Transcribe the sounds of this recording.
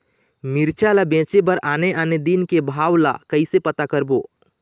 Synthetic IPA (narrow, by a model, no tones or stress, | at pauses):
miɾt͡ʃalabẽt͡ʃebəɾaneʔaned̪inkebʱaːwla̰kəisepət̪akəɾbo